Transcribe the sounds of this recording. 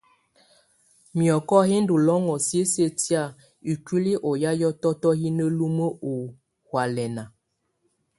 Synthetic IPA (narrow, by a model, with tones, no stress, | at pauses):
mjɔ˨kɔ˦hi˦ndu˨lɔ˦ŋɔ˨sje˦se˦ti˦a˦˨ | i˨kwi˦li˦ʔɔ˨ja˦jɔ˦tɔ˦tɔ˦ɦi˦nə˦lu˦mə˦o˨ | hwa˨lɛ˨na˨